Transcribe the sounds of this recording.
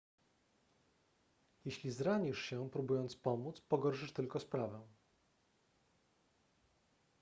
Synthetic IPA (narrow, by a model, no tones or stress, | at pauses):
jeɕlʲizɾaɲiʂɕɛpɾubujɔnt̪spɔmut̪spɔɡɔɾʂɘʂt̪ɘlkɔspɾavɛ